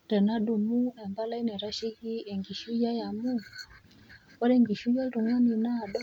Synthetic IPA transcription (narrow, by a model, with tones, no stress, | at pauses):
ɾɛ˨na˦ɗu˨mu˦a˨mba˦la˦i˦nɛ˨ɾa˦ʃi˦ɣi˦ɛ˨ŋɡi˨ʃu˦ja˦ja˨mu˦ | ka˦ɾɛ˦ŋɡi˨ʃu˦ja˦ɾu˨ŋu˦ni˨naː˦˨ɗɔ˦